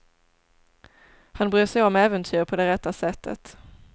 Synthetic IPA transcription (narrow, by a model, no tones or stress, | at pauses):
hanbɾyːʂɛjɔmɛːvənt̪ʰyːɾpʰɔd̪ɛɾɛt̪ːasɛt̪ʰːə̰t̪